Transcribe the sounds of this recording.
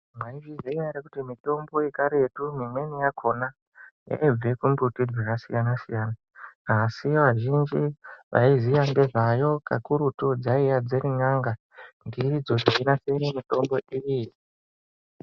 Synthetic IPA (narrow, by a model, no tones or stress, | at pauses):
mwaivizeijaɾekutimito̞mbo̞ikaɾe̞tumimwe̞nijakʰo̞na | ja̰ib͡ve̞kumbutid͡zwirasijanasijaːna | asiʋaʒind͡ʒiʋa̰izijaŋde̞ʐajo̞kakuɾutod͡zaijad͡zeɾiŋaŋɡa | ndiid͡zo̞ʐeinasenemito̞mbo̞ʔiji